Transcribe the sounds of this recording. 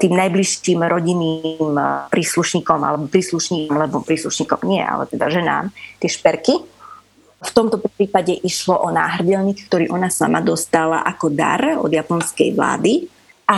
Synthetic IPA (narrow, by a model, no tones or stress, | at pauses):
t̪iːmnajbliʃiːmɾɔɟinimpɾiːsluʃɲiːkɔma̰lɛbɔpɾiːsluʃɲiːmlɛbɔpɾiːsluʃɲiːkɔ̰mɲɪɛ̰ʔa̰lɛ̰t̪ɛd̪aʒɛna̰ːmt̪ɪɛʃpɛɾki | ft̪ɔmt̪ɔpɾiːpaɟɛʔiʃlɔʔɔna̰ːɦrɟɛlɲiːkkt̪ɔɾiːʔɔnasa̰mad̪ɔst̪ala̰ʔakɔd̪a̰ɾɔ̰d̪japɔnskɛ̰jʋla̰ːd̪i | a